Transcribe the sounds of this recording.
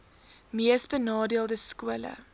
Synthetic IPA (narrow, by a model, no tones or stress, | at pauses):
miəsbənɑːdiəlˠdəskuələ̰